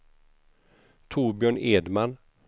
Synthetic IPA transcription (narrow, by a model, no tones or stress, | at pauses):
t̪ʰuːɾbjœːɳeːd̪man